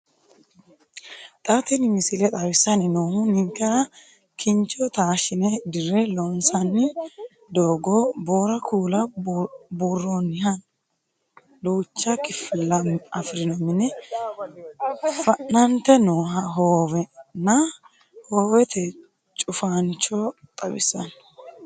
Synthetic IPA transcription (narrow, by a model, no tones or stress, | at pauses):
t̪ʼɐt̪ɪnɪmɪsɪlɛt̪ʼɐwɪsːɐnɪnoːhʊnɪŋkːɛɾɐ | kʰɪnt͡ʃɔt̪aːʃɪnɛd̪ɪrɛlɔnsɐnːɪ | d̪oːɡɔboːɾɐkʰuːlɐ | burːonɪhɐn | duːt͡ʃːɐkɪfɪlɐmɐfɾɪnɔmɪnɛ | fɐnːɐnt̪ɛnɔːɦɐɦoːwɛnɐ | hoːwɛt̪ʰɛ | t͡ʃʼʊfaːnt͡ʃɔt̪ʼɐbɪsːɐ̰n